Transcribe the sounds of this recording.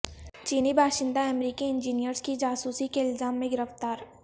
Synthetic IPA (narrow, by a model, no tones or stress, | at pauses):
t͡ʃiːnibʱaːʃɪ̃nd̪aɛmɾiːkiɪ̃nd͡ʒiːnijəɾskid͡ʒaːsuːsikeɪlzaːmːẽɡɪɾəft̪aːɾ